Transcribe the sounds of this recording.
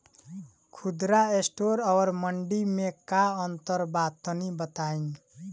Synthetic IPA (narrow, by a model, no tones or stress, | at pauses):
kʰud̪ɾaesʈoɾʌwʌɾmʌɳɖimekaʌnt̪ʌɾbat̪ʌnibʌt̪ain